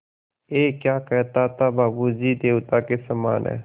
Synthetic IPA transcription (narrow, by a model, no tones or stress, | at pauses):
eːkjaːkɛt̪aːt̪aːbaːbuːziːd̪eːut̪aːkesəma̰ːnɛ̰ː